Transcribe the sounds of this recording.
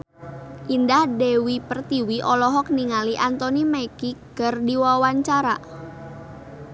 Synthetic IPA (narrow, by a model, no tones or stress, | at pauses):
ʔindahdewipərt̪iwiʔɔlɔɦɔk̚niŋaliʔant̪ɔnimaikiɡ̥ərdiwawaɲt͡ʃaɾa